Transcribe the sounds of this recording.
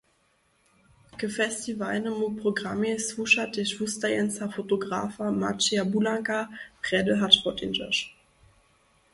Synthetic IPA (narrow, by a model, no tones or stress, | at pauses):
kəfɛstivalnəmupʁ̥oɡʁamesvuʃatɛʃvustajɛnsafotoɡʁaːfama̰t͡ʃiabulaŋkapʁ̥ɛdəɦatpɔtɪ̰nd͡ʒə̰ʃ